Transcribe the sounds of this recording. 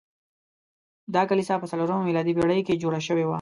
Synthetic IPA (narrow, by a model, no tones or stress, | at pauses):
d̪ɑkalisapəsaloɾəmamilɑd̪ibeɽəjked͡ʒoɽaʃəwewa̰